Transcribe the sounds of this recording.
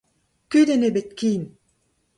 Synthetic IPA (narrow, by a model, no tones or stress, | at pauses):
kyd̪enebet̪̚kin